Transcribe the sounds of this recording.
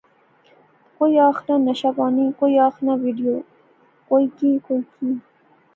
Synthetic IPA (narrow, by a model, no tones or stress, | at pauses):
kojɑxnanaɕabɑnikojɑxnawiɖijo | kojkikojkʰi